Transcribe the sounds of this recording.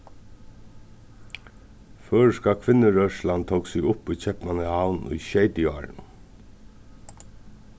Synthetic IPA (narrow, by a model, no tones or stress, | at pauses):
fœːɹskakʰʋɪnːəɾœʂlant̪ʰowksɪɡʊpujt͡ɕʰɛpnanəhawnʊ̰jʃeɪt̪ɪɑ̰ːɾ̰n